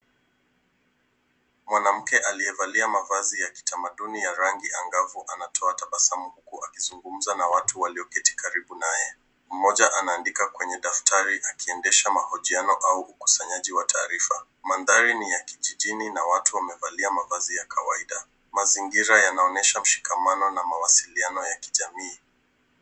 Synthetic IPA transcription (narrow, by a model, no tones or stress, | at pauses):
mwanam̩kɛʔaliɛvaliamavazijaki̥tamaɗunijaɾaŋɡiaŋɡavuʔanatʰɔataɓasamuhukuakizuŋɡum̩zanawatuwaliɔkɛti̥kaɾiɓunajɛ | m̩mɔʄaʔanaːndikakwɛɲɛɗaftʰaɾiʔakiɛndɛʃamahɔʄianɔʔauʔuku̥saɲaʄiwatʰa̰ːɾifa | manðaɾinijakiʄiʄininawatuwamɛvaliamavazijakʰawaiɗa | maziŋɡiɾajanaɔnɛʃam̩ʃi̥kamanɔnamawasilianɔjaki̥ʄamiː